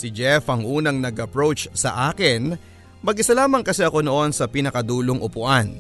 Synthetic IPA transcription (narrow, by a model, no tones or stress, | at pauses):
sɪd͡ʒɛfʔɐŋʔuːnɐŋnɐɡɐpɹowt͡ʃsɐ̰ʔaːkɪn | mɐɡʔɪsɐlaːmɐŋkɐsɛʔɐko̞no̞ʔo̞nsɐpinɐkɐd̪uːloŋʔʊpʊʔan